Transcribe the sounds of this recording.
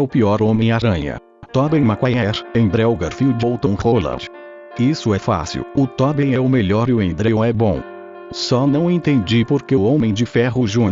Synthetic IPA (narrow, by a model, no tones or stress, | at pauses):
ɛʊpiɔɾõmẽj̃aɾɐ̃ɲɐ̰ | t̪ɔbẽj̃makwajɛɾẽd̪ɾɛwɡaɾfiʊd͡ʒowt̪õw̃holɐ̰̃d͡ʒ | isʊɛfa̰sḭwʊt̪ɔbẽjɛʊmeʎɔɾɪʊẽd̪ɾeõɛbõ | sɔnɐ̃w̃ẽt̪ẽnd͡ʒipoɾkeõmẽj̃d͡ʒɪfɛɦʊʒũ